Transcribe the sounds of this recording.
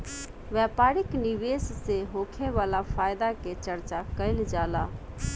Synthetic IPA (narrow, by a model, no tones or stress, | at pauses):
ʋɛpaɾikniʋesseɦokʰeʋalapʰajd̪aket͡ʃəɾt͡ʃakəɪld͡ʒala